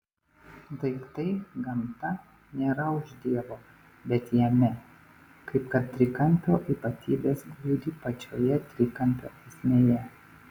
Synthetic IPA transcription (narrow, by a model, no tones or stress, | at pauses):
d̪ɐɪkt̪ɐɪɡɐmt̪ɐ | nʲeːɾɐʊʒd̪ʲiɛʋoː | bʲɛt̪jɛmʲɛ | kɐɪpkɐt̪̚t̪ʲɾʲɪkɐmʲpʲoːʔiːpɐt̪ʲiːbʲeːsɡlʲuːd̪ʲiːpɐt͡ʃʲoːjɛt̪ʲɾʲɪkɐmʲpʲo̰ːɛsʲmʲeːjɛ